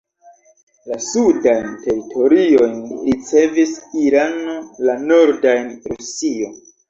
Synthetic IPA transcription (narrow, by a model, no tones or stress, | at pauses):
lasudajnte̞ɾitʰo̞ɾio̞jnɾit͡se̞visiɾanolano̞ɾdajnɾusio̞n